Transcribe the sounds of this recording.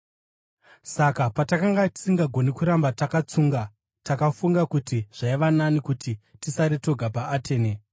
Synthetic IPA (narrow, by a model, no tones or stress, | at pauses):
sakapatakaŋɡati̥siŋɡaɡʱo̞nikuɾambatakat͡suːŋɡa | takafuŋɡakutiʐ̥aiʋananikutʰitisaɾito̞ɡʱapaːtʰe̞ːne